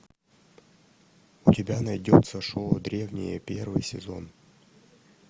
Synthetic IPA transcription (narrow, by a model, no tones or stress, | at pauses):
ʊtʲɪbʲanɐjdʲot̪səʂod̪ɾʲe̞vnʲɪ̰jəpʲe̞rvɨjsʲɪzo̞̰n